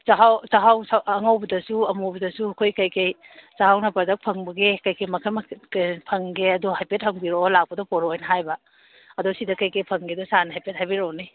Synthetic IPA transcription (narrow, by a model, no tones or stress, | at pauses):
zaɦawsaɦawsaɐŋɐwbɐdɐsuɐmowbɐdɐsuɐkʰojkɐjkej | zaɦawnɐpɐɾdɐk̚pʰɐŋbɐɡekɐjkʰɐjmɐkʰɐmkpʰɐŋɡeɐdoɦajpet̚hɐŋbiɾolak̚pɐdɔpɔɾojnɐɦajbɐ | ɐdosidɐkɐjkɐjpʰɐŋɡedosanɐɦajpet̚hajbiɾowni